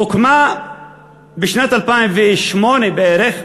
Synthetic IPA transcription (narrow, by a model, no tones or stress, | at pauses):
ʊkma | biʃnat̪alpaviʃmonibeɾex